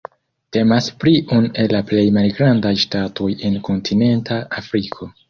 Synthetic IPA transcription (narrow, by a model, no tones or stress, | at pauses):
te̞maspɾiʔune̞laple̞jmalɡɾandajʃtatʰo̞je̞nko̞ntʰine̞ntʰaafɾikʰo̞